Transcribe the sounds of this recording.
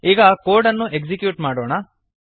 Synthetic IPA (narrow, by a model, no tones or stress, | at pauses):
iːɡɐkoːɾɖɐnːuʔekd͡ʒikjuːʈmaːɽoːɳɐ